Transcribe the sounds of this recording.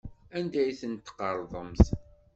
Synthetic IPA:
ænd̪æjθənt̪ːqːəɾˤðˤəms

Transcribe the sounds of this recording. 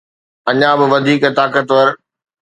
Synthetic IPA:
ɐɲãbɪʋɐd̪ʱiːkt̪aːkət̪ʋɐɾ

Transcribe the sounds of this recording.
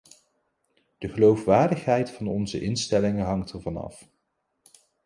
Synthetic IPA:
d̥əχəlowfʋaːɹdəχɦɛjtfɑnɔnzə̰ʔɪnstɛlɪŋəɦɑŋtɛɹvɑnɑ̰f

